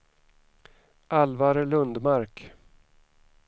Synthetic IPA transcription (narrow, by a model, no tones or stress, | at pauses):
ʔalvaɾəlɵnd̪maɾk